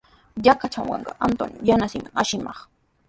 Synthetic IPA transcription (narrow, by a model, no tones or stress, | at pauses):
jakat͡ʃamwɑ̰ɴɢɑ̰ʔant̪onjanasɪmaŋaʃɪmɑχ